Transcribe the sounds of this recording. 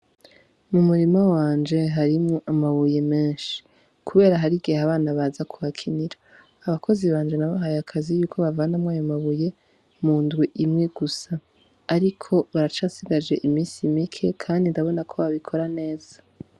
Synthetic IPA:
mumuɾimawaːnd͡ʒe̞ɦaɾimoʔamaβuje̞me̞ːnʃi̥ | kʰuβe̞ːɾaɦaɾiɡiɦaβaːnaβazakʰuβakʰiniɾaː | βakʰo̞ziβaːnd͡ʒe̞naβaɦajakʰazijuːkʰo̞βavanamwaːjomaβuje̞ | muːndɡwiʔimŋe̞ɡ̥usaː | ɾikʰo̞βaɾat͡ʃaːsiɡad͡ʒe̞ʔimiːnsimikʰe̞kʰaːndindaβo̞nakʰo̞βaβikʰo̞ɾane̞ːz̥a

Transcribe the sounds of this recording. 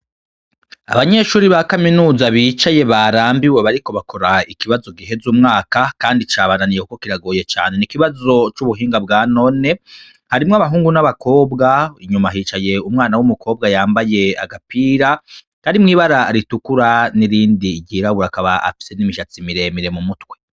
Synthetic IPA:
a̰βaɲe̞ʃuːɾiβakaminuːzaβit͡ʃaje̞βaɾaːmbiwe̞βaɾiko̞βakʰo̞ɾaikiβazo̞ɡiɦe̞zuːmŋaːkakaːndit͡ʃaːβananijekukokiɾaɡoːje̞t͡ʃa̰ːne̞nikiβazo̞t͡ʃuβuɦiːŋɡabɡaːno̞ne̞ | haɾimŋoaβaɦuːŋɡunaβako̞ːbɡaiɲumaɦiːt͡ʃaje̞umŋaːnawumukʰo̞ːb̚ɡajaːmbaje̞a̰ɡapiɾa | kaɾimŋiːβaɾaɾitukuɾaniɾiːndiɟiɾaβuɾakaβa̰a̰fi̥se̞nimiʃat͡simiɾe̞miɾe̞mumutwe̞

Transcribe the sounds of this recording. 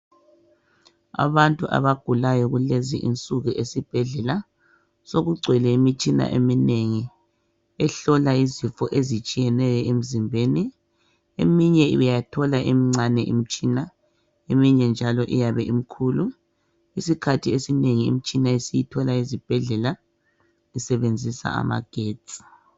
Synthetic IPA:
a̰βantʼuʔa̰βaɡ̥ʱulajɔɣulezḭʔḭnt͡sʼuɣuʔesib̥ʱɛɮɛla | soɣuɡ͡ǀʱwɛlɛimit͡ʃʼina̰ʔḛmineŋi | ɛɬɔlaizifɔʔezit͡ʃʼijɛnɛɣɛʔem̩zimbʱeni | emiɲɛiβɛjatʰɔlaʔimiŋ͡ǀanɛʔḭm̩t͡ʃʼina | emiɲɛnd͡ʒʱalɔʔḭjaβɛʔim̩kʰulu | isikʰatʰiesineŋiḭm̩t͡ʃʼinaisijitʰɔlaizib̥ʱɛɮɛla | isɛβend͡zʱisa̰a̰ma̰ɡ̥ʱeːt͡sʼi̥

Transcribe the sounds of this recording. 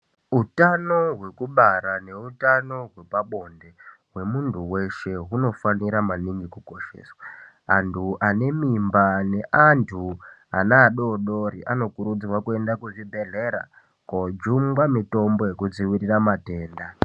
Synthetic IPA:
utano̞ɦwe̞kuɓaɾane̞utano̞ɦwe̞paɓo̞ndeɦwe̞muntʰuwe̞ʃe̞ɦuno̞faniɾamaniŋɡikuko̞ʃe̞̰ːswa | antʰuʔane̞mimbane̞ʔantʰua̰naːɗo̞ɗo̞ɾiʔano̞kuɾud͡ziwakue̞ndakuʐibʱe̞ɮe̞ɾa̰ | kod͡ʒumɡamito̞mbo̞je̞kud͡ziwiɾiramate̞ːnda

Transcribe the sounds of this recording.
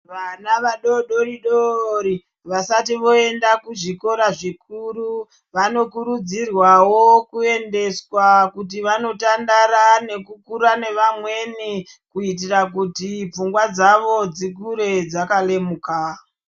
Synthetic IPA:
ʋanaʋaɗo̞ɗo̞riɗoɾi | ʋasatiʋo̞e̞ndakuʐiko̞ɾaʐikuɾu | ʋano̞kuɾud͡zirwawo̞kue̞nde̞swakut̬iʋano̞tandaɾane̞kukuɾane̞ʋamwe̞ni | kuit̬irak̬utip͡fuŋɡwad͡zaʋo̞d͡zikuɾe̞d͡zakale̞muka

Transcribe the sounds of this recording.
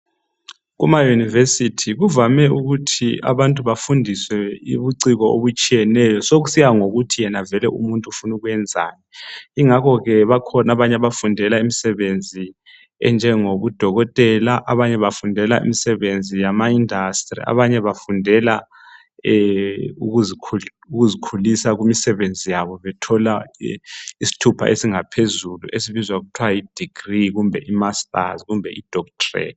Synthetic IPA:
ɣumajunivesitʰiɣuvamɛuɣutʰia̰βantʼuβafundʱiswɛiβuǀiɣɔo̰βut͡ʃʼijɛnɛjɔsoɣusijaŋoɣutʰijɛnavɛlɛʔṵmuntʼufunuɣwɛnd͡zʱa̰ːɲɛiŋakʰɔɣɛβakʰɔnaβaɲɛaβafundʱɛlaimisɛβend͡zʱi | ɛ̰nd͡ʒʱɛŋoβud̥ʱɔɣɔtʼɛlaʔaβaɲɛβafundʱɛlaḭmisɛβend͡zʱijamaindʱastʼrḭa̰βaɲɛβafundʱɛla | ɛuɣuzikʰ | uɣuzikʰulisaɣumisɛβend͡zʱijaβɔβɛtʰɔla | isi̥tʰupʰa̰ʔesiŋapʰezulṵʔesiβizwaɣutʰwajid̥ʱiɡ̥riɣumbʱɛʔimastʼa̰zɣumbʱɛ̰id̥ʱɔktʰʼrɛ̰

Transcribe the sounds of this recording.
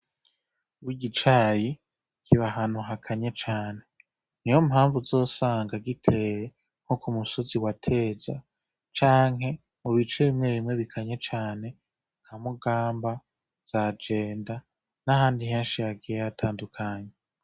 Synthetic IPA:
wiɡit͡ʃaji | kʰiβaɦanuɦakʰaɲe̞t͡ʃaːne̞ | nijomɦaːɱvuzo̞ːsaːŋɡaɡitʰe̞ɾe | ŋ̥hokumuso̞ziwatʰe̞ːza̰ | t͡ʃaːŋɦhe̞ | muβit͡ʃeβimŋe̞βimŋe̞βikʰaɲe̞t͡ʃaːne̞ | ŋ̥hamuɡaːmba | z̥ad͡ʒe̞ːnda | nahaːndiɦe̞ːnʃijaɡijejatʰaːndukʰaːɲe

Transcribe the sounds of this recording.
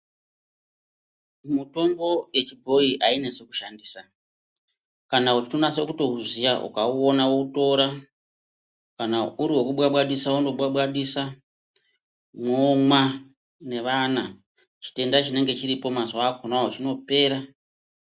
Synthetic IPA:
muto̞mbo̞je̞t͡ʃibʱo̞iʔaine̞seku̥ʃandiːsa | kanaut͡ʃinonasokuto̞ɦuzijaʔṵkauonawouto̞ɾa | kanauɾiwo̞kuɓwaɓwaɗisaundo̞ɓwaɓwaɗisa | mwoŋwa | ne̞ʋana | t͡ʃi̥te̞ndat͡ʃine̞ŋɡe̞t͡ʃiɾipo̞mazwakonaot͡ʃino̞pe̞ːɾa

